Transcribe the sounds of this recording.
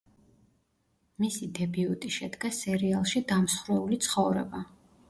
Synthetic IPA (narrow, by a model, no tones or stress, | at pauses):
misid̪ɛbiut̪ʼiʃɛd̪ɡasɛɾialˠʃid̪amsχɾɛulit̪sʰχɔvɾɛ̰ba